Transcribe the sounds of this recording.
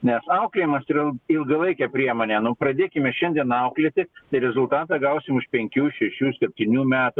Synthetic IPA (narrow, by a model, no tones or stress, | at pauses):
nʲɛsɐʊklʲeːjɪmɐsɪɾɪlɪlˠɡɐlˠɐɪkʲɛpʲɾʲiɛmoːnʲɛnʊpɾɐd̪ʲeːkʲɪmʲɛʃʲɛnʲd̪ʲiɛnɐʊklʲet̪ʲɪt̪ɐɪɾʲɛzʊlˠt̪ɑːt̪ɑɡɐʊsʲɪmʊʃpʲɛŋʲkʲuːʃʲɛʃʲuːsʲɛpʲt̪ʲiːnʲuːmʲæːt̪ʊ